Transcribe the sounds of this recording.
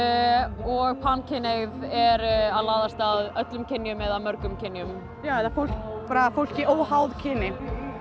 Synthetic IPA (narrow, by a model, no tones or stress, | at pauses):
ɔɣpʰancʰɪnejvɛɾaðlaːðast̪aðœt̪lʏmcʰɪnːjʏmɛðamœɾkʏmcʰɪnːjʏm | jaːwɛt̪afowl̥kpaːɾafowl̥cɪʔoːwɦawðcʰɪnːɪ